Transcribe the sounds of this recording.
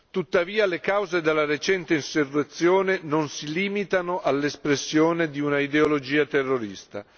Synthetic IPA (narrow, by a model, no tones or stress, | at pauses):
t̪ut̪ːaviːalekawzed̪elːaret͡ʃɛnt̪einserːet̪sːjoːnenonsiliːmit̪anoʔalːespɾesːjoːned̪iunaid̪eolod͡ʒiːat̪erːoɾist̪a̰